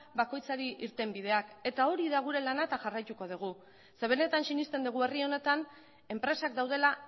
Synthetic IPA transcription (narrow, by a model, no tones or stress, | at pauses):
bako̞jt͡saɾiʔiɾt̪e̞mbið̞e̞ake̞t̪ao̞ɾiðaɣ̞uɾe̞lanaet̪aʝarajt̪uko̞ðuɣ̞u | se̞β̞e̞ne̞t̪ansinist̪e̞nd̪uɣ̞ue̞rio̞ne̞t̪an | e̞mpɾe̞sak̚d̪awð̞e̞la